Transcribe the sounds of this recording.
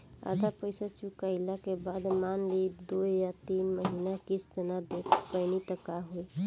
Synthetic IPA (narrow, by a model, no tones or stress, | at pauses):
a̰d̪apəjsat͡ʃukaɪlakebad̪manlid̪ujat̪inməɦinakist̪ənad̪ekʰpəjnit̪əkaɦo